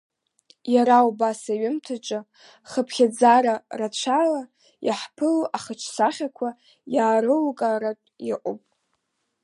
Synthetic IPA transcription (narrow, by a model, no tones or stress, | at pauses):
jaɾaubasaɥɪmtʰat͡ʃʼa | χəpʰχʲad͡zaɾarat͡ɕʷʰala | jaħpʰɨloʔaχət͡ʃʰsaχʲakʷʰa | jaːɾɨlkʼaɾatʼjɪqʷʼopʼ